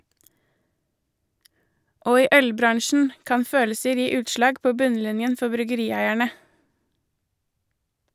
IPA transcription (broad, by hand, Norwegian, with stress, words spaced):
ˈoː ˈiː ˈʔœlˌbɾɑɳʃn̩ ˈkɑn ˈføːləsəɾ ˈjiː ˈʉːtˌʃlɑːɡ ˈpoː ˈbʉnˌlɪnjən ˈfɔ bɾʏɡəˈɾiːˌæɪæɳə